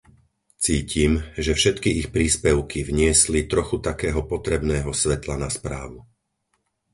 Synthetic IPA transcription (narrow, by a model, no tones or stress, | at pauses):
t͡siːcimʒɛfʃɛt̪kiixpɾiːspɛʊkivɲɪɛslit̪ɾɔxut̪akɛːɦɔpɔt̪ɾɛbnɛːɦɔsʋɛt̪lanaspɾa̰ːʋu